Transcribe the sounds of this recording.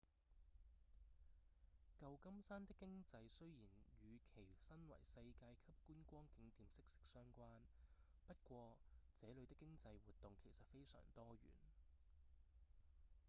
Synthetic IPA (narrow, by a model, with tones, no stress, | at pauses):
kɐ˧wkɐ˥msaː˥nt̪ɪ˥kːɪ˥ŋt͡sɐ˧jsɵ˥ɥjiː˨˩njyː˨˧kʰe˨˩jsɐ˥nwɐ̰˨˩jsɐ˧jkaː˧jkʰɐ˥p̚kuː˥nkʷɔː˥ŋkɪ˨˥ŋt̪iː˨˧msɪ˥k̚sɪ̥˥k̚sœː˥ŋkʷaː˥n | pɐ˥t̚kʷɔː˧t͡sɛː˨˥lɵ˨˧ɥt̪ɪ˥kːɪ˥ŋt͡sɐ˧jwuː˨˩t̚t̪ʊ˨ŋkʰe˨˩jsɐ˨t̚fe˥jsœ̰ː˨˩ŋt̪ɔː˥ɥy̰ː˨˩n